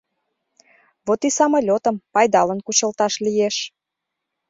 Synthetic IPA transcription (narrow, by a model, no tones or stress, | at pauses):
βot̪isɑmolʲot̪ə̆mpɑjd̪ɑlənkut͡ɕəlt̪ɑʃlijeʃ